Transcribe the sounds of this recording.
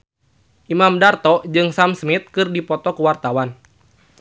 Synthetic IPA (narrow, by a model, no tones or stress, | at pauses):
ʔimamdart̪ɔd͡ʒɨŋsamsmit̪̚kɨrdipɔt̪ɔkuwart̪awan